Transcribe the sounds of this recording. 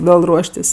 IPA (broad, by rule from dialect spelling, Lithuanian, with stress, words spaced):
ˈʋʲeːlˠ ˈruɔʃʲtʲɪsʲ